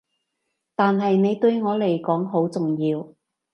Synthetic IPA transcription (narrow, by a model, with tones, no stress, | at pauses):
t̪aː˨nɦɐ˨jne˨˧jt̪ɵ˧ɥŋɔː˨˧le˨˩jkɔː˨˥ŋɦo˨˥wt͡sʊ˨ŋjiː˧w